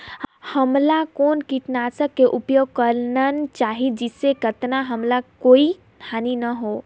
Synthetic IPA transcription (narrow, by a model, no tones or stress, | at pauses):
həmlakoːnkiʈnaːsəkːeʔʊpjoːɡ̚kəɾnənt͡ʃaːɦid͡ʒɪsːekət̪naɦɐmlakoːi | naːninəɦoː